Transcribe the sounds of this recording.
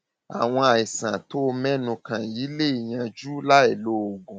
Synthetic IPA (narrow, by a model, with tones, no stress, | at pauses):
a̰˨w̃ɔ̃˧a˨i˨sã˨to˨˦˧mɛ̃˦nũ˧kã˨ji˨˦le˦i˨j̃ã˧d͡ʒu˦la˦e˦˨lo˦o˨ɡũ˨